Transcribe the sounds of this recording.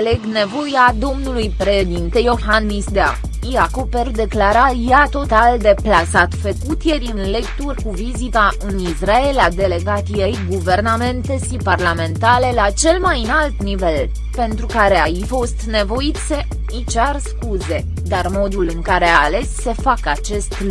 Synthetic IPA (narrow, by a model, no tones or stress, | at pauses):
leɡne̞vo̞jad̪o̞mnulujpɾe̞ʃe̞d̪int̪e̞jo̞xanːisd̪ea̰ | iako̞perd̪e̞klaɾajat̪o̞t̪ald̪e̞plasat̪fəkut̪je̞ɾʲɨnle̞kt̪urʲkuvizit̪aɨnisrae̞lad̪e̞le̞ɡat̪ijejɡuve̞rname̞nt̪e̞ʃiparlame̞nt̪ale̞lat͡ʃe̞lmajɨnalt̪nive̞l | pe̞nt̪ɾukaɾe̞ajifo̞st̪ne̞vo̞it̪se̞ | it͡ʃarskuze̞ | d̪armo̞d̪ulɨŋkaɾe̞ale̞sːe̞fakat͡ʃe̞st̪